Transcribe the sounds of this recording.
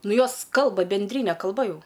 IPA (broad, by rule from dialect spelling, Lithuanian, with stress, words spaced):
ˈnʊ ˈjoːs ˈkɐlˠbɐ bʲɛnʲˈdʲrʲiːnʲɛ kɐlˠˈbɐ ˈjɛʊ